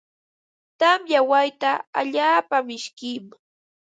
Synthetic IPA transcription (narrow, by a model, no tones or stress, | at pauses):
t̪amjawajt̪aa̰ʎaːpamɪʃkɪm